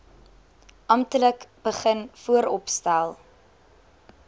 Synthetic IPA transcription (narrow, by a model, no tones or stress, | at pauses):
ʔɐmtələkb̥əχənfuəɾɔpstælˠ